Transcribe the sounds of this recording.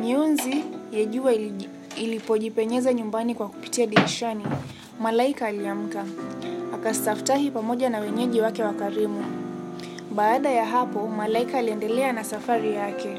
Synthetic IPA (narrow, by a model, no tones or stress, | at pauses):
ɲiunzijɛʄua | ilipɔʄipɛɲɛzaɲumbanikwaku̥pi̥tiaɗiniʃani | malaikaːliam̩kaakastaftahipamɔʄanawɛɲɛʄiwakɛwakaɾimu | ɓaːɗajaɦapɔmalaikaːliɛndɛlɛanasafaɾijakɛ